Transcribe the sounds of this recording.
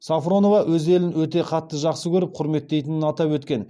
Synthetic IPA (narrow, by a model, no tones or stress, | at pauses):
safro̞no̞vɑwʔɵze̞lɪnwɵt̪e̞qʰɑt̪ːəʒɑqsəkʲʰɵɾɪp̚qʰʊɾme̞t̪ːe̞jt̪ɪnɪnɑt̪ɑpwɵt̪kʲe̞n